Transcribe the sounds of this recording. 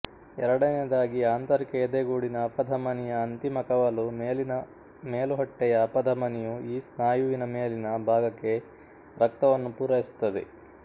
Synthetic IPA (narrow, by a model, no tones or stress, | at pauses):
ɛɾɐɽɐned̪aːɡiaːnt̪ɐɾikɐjɛd̪eɡuːɽinɐːpɐd̪ʱɐmɐnijɐːnt̪imɐkɐʋɐlumeːlinɐ | meːluɦɔʈːɛjɐpɐd̪ʱɐmɐnijuiːsnaːjuʋinɐmeːlinɐbʱaːɡɐkːe̞ | ɾɐk̚t̪ɐʋɐnːupuːɾɐjisu̥t̪ːɐd̪ḛ